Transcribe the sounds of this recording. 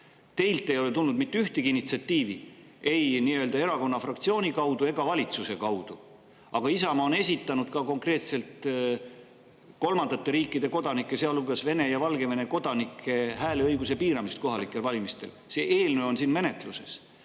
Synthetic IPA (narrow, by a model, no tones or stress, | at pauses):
t̪e̞jlt̪ːˑe̞jo̞le̞t̪ulnud̪̥mit̪ːyht̪eɡiinːit̪siɑt̪ːˑiːvi | e̞jniːøld̪ɑe̞ɾɑko̞nːɑfrɑk̚t̪sio̞ːnʲikɑwd̪̥ue̞ɡ̥ɑvɑlʲit̪suse̞kɑwd̪̥u | ɑɡ̥ɑisɑmɑone̞s̬ʲit̪ːˑɑnud̪̥kɑko̞ŋkre̞ːt̪se̞lt̪ | ko̞lmɑnd̪ɑt̪ːˑe̞ɾiːkːˑid̪̥e̞ko̞d̪̥ɑnikːˑe̞se̞ɑluɡ̥ɑsve̞ne̞jɑvɑlɡe̞ve̞ne̞ko̞d̪̥ɑnikʰːˑe̞ɦæːleɤjɡus̬e̞piːɾɑmist̪̚ko̞ɦɑlikːˑe̞lvɑlʲimist̪e̞l | se̞ʔeːlnøːo̞nsiːnme̞ne̞t̪luse̞s